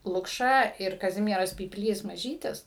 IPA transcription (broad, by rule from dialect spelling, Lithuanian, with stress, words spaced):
lˠʊkˈʃɐ ɪr kɐˈzʲɪmʲiɛrɐs pʲiːpʲˈlʲiːs mɐˈʒʲiːtʲɪs